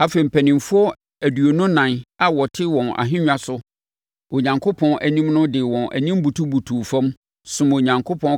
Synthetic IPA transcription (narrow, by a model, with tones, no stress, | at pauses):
a˨fe˨m̩˨pʰæ˨nɪ̃˨mfʊ˦ɔ˦ | æ˨dɥo˨nʊ̃˦nã˨na˨wɔ˨tʰɪ˦wɔ̃˨nʔa̰˨ɦɪ̃˦ɲᶣa˦sʊ˦ | o˨ɲã˨ŋkʰo˦pʰɔ̃˦ʔæ˨nĩ˦mnʊ̃˦dɪ˨wɔ̃˨nʔæ̰˨ɲĩ˦m˦bu˨tʰu˦bu˨tʰuː˨fɔ̃˦m | sʊ̃˨mo˨ɲã˨ŋkʰo˦pʰɔ̃˦n